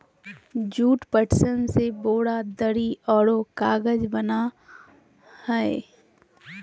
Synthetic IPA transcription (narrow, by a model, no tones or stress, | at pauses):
d͡ʒuːʈpəʈsənseboːɽad̪əɽiɔːɽokaːɡəd͡ʒbəna | hɛe